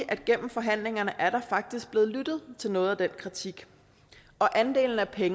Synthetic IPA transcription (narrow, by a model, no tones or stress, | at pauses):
ʔæd̥̚ɡ̥en̰m̩fɒ̽ɦæn̰le̝ŋɐnəʔæɐɾ̥ɑ̈fɑ̈ɡ̥̚d̥isɡ̥̚b̥le̝ːð̩ˠlyd̥ð̞̩ˠt͡sʰe̝lnɔ̽ːð̩ˠæd̥en̰kʰʁit͡sʰiɡ̥ | ɒ̽ʔænd̥e̝̰ːln̩æpʰeŋ